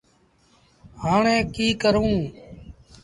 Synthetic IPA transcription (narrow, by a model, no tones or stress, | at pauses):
ɦaːɳẽːkiːkəɾũː